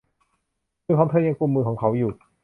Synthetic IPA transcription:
ɯː˧kʰaː˨˦t̪ʰɤː˧˥˩ja˧ŋku˧mːɯː˧kʰɔː˩˦ŋkʰa˧˦˥wjuː˨˩

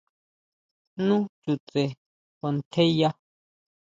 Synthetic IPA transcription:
nũ˦t͡ʃu˨t͡se˨ | ko˨˧nt̪ʰe˦ja˦

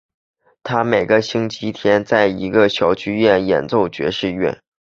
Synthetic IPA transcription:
t̪ʰa˥me˨˩ɪɡə˦ɕi˥ŋt͡ɕi˧˥t̪ʰjɛ˥nt͡sa˥˩ɪi˧˥ɡə˧ɕjɑ˧˥ʊt͡ɕʰy˥ɥɛ˥˩njɛ̰˨˩nt͡so˥˩ʊt͡ɕɥɛ̰˧˥ʂɻ̩˥˧ɥɛ̰˥˩n

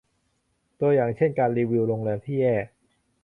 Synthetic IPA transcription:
t̪u˧ɐjaː˨˩ŋt͡ɕʰe˥˩nkaː˧nɾiː˧wi˧wɾoː˧ŋlɛː˧nt̪ʰiː˥˩jɛː˥˩

